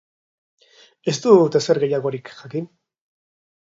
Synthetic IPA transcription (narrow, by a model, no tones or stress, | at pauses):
e̞st̪ut̪e̞seɾɣe̞jaɣo̞ɾikʝakin